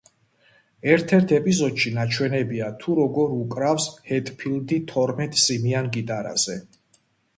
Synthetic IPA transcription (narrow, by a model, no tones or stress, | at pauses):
ɛɾt̪ʰɛɾt̪ʰɛpʼizɔd̪ʃinat͡ʃʰwɛnɛbiat̪ʰuɾɔɡɔɾukʼɾafshɛt̪ʼpʰild̪it̪ʰɔɾmɛt̪ʼsimianɡit̪ʼaɾa̰z̥ɛ